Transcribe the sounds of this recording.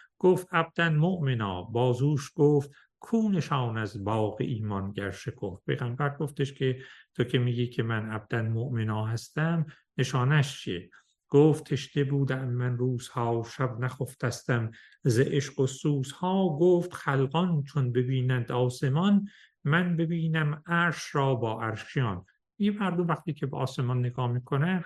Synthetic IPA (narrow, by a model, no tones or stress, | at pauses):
ɡ̥oːft̪æb̚d̪̥ænmoʔmenɑ̰ːbɒːzuːʃɡ̥oːft̪ | kʰuːneʃɑːnæzbɑːɣḛʔiːmɒnɟæɾʃekʰoft̚pʰejɣæmbæɾɡoft̪eʃcʰet̪ʰocʰemiːɡiːkʰemænæb̚d̪̥ænmoʔmenɑːɦæst̪æm | neʃɑːnæʃt͡ʃʰie | ɡ̥oːft̪ʰeʃt̪ebuːd̪æmmænruːz̥hɒːʃæbnæxoft̪ʰæst̪æm | zeʔeʃqosuːshɒːɡoft̪xælɡɒnt͡ʃʰonbe̞biːnænd̪ɒːse̞mɒn | mænbe̞biːnæmæɾʃɾɒːbɒːʔæɾʃijɑːn | miɡemæɾd̪omvæxt̪iːcʰebeʔɒːse̞mɒnːeɡɒːmiːkʰonæ